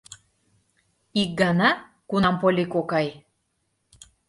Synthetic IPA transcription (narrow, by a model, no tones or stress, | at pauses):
ik̚ɡɑnɑ | kunɑmpolʲikokɑj